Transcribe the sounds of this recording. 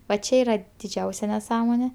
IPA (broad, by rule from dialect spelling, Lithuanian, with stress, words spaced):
ʋɐ ˈt͡ʃʲɛ ˈiːrɐ dʲɪˈd͡ʒʲɛʊsʲɛ nʲɛˈsɑːmoːnʲeː